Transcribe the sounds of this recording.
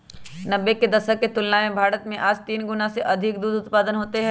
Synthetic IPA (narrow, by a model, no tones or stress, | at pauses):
nɐbːeked̪ɐʃəkːet̪ʊlnamẽbʱaːɾət̪mẽʔaːd͡ʒt̪iːnɡʊnaseʔɐd̪ʱɪk̚d̪uːd̪ʊt̪paːd̪ənɦoːt̪eɦɛ